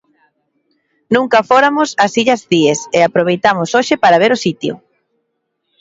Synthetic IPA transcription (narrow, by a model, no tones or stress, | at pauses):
nũŋkɐfoɾamʊsɐsiʎɐzðieseapɾoβ̞ejt̪amʊsoʃɪpaɾɐβ̞eɾʊsit̪jʊ̰